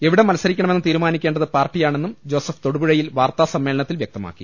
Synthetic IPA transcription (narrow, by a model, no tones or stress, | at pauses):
e̞ʋiɽemɐlɐsːɐɾikʲːɐɳɐmenːɨt̪iːɾumaːnikʲːeɳɖɐðɨpaːrʈːijaːɳe̞nːumd͡ʑo̞ːsɐft̪oɽubuɻɐjilʋaːrt̪aːsɐmːe̞ːlɐɳɐt̪ːilʋjek̚t̪ɐma̰ːkːi